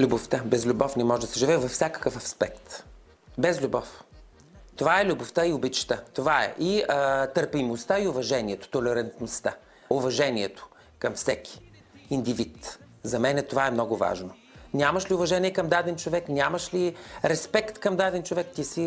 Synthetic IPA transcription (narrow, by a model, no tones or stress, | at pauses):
lʲuboft̪əbɛzlʲubɔfnɛmɔʒɛd̪ɐsɛʒivɛvɐfsʲakə̥kəfɐfspɛkt̪ | bɛzlʲubɔf | t̪ovaɛlʲuboft̪əiʊbit͡ʃi̥t̪ət̪ovaɛ̰ʔit̪əɾpimost̪aiʊvɐʒɛniɛt̪o̥t̪olɛɾɐnt̪nost̪a | ʊvɐʒɛniɛt̪o̥ | kɐmfsɛk̟ʰʲi̥ | ind̪ivit̪ | zɐmɛnɛt̪ovaɛmnɔɡʊva̰ʒno | nʲamɐʃliʊvɐʒɛniɛkɐmd̪ad̪ɛnt͡ʃovɛknʲamɐʃliɾɛspɛkt̪kɐmd̪ad̪ɛnt͡ʃovɛkt̪isi